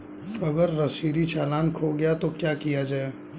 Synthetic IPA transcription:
ɐɡəɾːɐsiːɾit͡ʃaːlaːnkʰoːɡɐjat̪okjaːkijad͡ʒaːeː

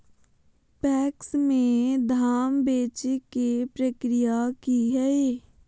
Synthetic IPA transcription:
pɛːksmẽd̪ʱaːmbeːt͡ʃikepɾəkɾijakiɦɛe

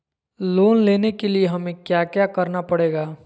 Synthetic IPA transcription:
loːnleːnekelieɦɐmẽkjaːkjakɐɾnapɐɽeːɡaː

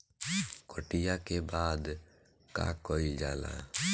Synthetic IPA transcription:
kɔʈijakebaːd̪ | ka̰kɔild͡ʒaːla̰

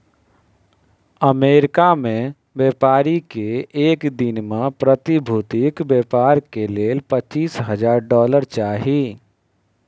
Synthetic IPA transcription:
əmeːɾkamẽ | bjeːpaːɾikeeːkd̪ɪnmẽpɾət̪ibʱuːt̪ɪkbeːpaːɾkeleːlpətːt͡ʃiːsɦəd͡ʒaːɾɖɔːləɾt͡ʃaːɦi

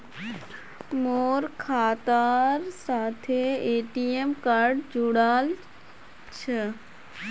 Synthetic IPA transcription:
moːɾkʰaːt̪aːɾsaːt̪ʰeeːʈiemkaɾɖd͡ʒuɽaːl | t͡ʃʰə

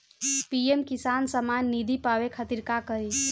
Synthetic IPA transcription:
piemkisansəmanːid̪ʱipawekʰət̪iɾkakəɾi

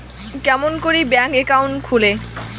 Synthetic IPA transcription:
kɛmonkoɾibɛŋkekawɳʈkʰule

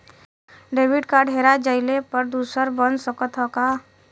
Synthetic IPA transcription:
ɖeːbɪɖkaɖʱeːɾad͡ʒəɪlepəɾd̪uːsəɾbənsəkət̪ʰɦɔka

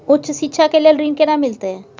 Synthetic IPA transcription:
utːʃʰʃitːʃʰakelelɾinkenamilt̪e

